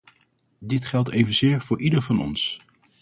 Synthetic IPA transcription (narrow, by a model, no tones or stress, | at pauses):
dɪtχɛlˠtejvənzɪːɹv̥ʊːɹʔidəɹvɑnɔ̰ns